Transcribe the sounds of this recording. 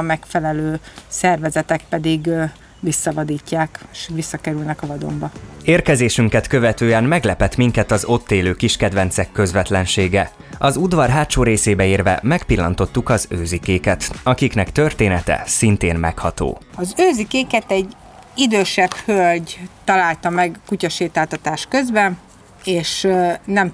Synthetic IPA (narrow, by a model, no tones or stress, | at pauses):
ɒmɛkfɛlɛløːsɛrvɛzɛt̪ɛk̚pɛd̪iɡ | ʋisːɒvɒd̪iːcːaːkʃʋisːɒkɛɾylnɛkɒvɒd̪o̰mbɒeːrkɛzeːʃyŋkɛt̪kø̞vɛt̪øːɛnmɛɡlɛpɛt̪miŋkɛt̪ɒzo̞t̪ːeːløːkiʃkɛd̪vɛnsɛkːø̞zʋɛt̪lɛnʃeːɡɛ | ɒzud̪ʋɒrɦaːt̪ʃoːɾeːseːbɛiːrvɛ̰mɛkpilːɒ̰nt̪o̞t̪ːukɒzøːzikeːkɛt̪ɒkiknɛkt̪ø̞rt̪eːnɛt̪ɛ̰sint̪eːnmɛkhɒt̪o̰ːɒzøːzikeːkɛt̪ɛɟ | id̪øːʃɛbhølɟt̪ɒlaːlt̪ɒmɛɡkucɒʃeːt̪aːt̪ɒt̪aːʃkøzbɛn | eːʃnɛm